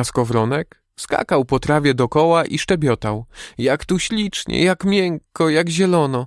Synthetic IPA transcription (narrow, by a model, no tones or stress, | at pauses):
askɔvɾɔnɛk | ska̰kawpɔt̪ɾavʲɛd̪ɔkɔwaʔiʂt͡ʂɛbʲjɔt̪awjakt̪uɕlʲit͡ʂɲɛ̰jakmʲjɛŋkːɔjaɡʑɛlɔnɔ